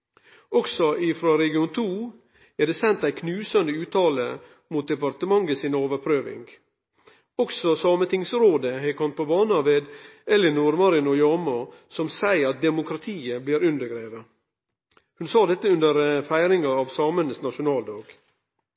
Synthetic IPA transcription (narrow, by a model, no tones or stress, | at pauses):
ɔksɔʔɪfɾɑːɾɛɡɪuːnt̪ʰuː | æɖ̪eːsɛnt̪æɪkʰnʉːsɑnd̪əʉːt̪ʰɑːlə̰ | muːt̪̚d̪ɛpɑɾt̪əmɑŋəsɪnoːʋəɾpʰɾøːʋɪ̰ŋɡ | ɔksɔsɑːmət̪ɪŋsɾoːd̪əɦæɪkʰɔmt̪̚pʰɔbɑːnɑʋeːd̪ɛlːənuɾmɑɾənʊjɑːmɑsɔmsæɪɾɑt̪̚d̪ɛmʊkʰɾɑt̪ʰiːəbliːɾʉnd̪əɾɡɾeːʋə | hʉnsɑːd̪ɛt̪ːəʉnd̪əɾfæɪɾɪŋɑɑːʋsɑːmənəsnɑʃʊnɑːld̪ɑːɡ̥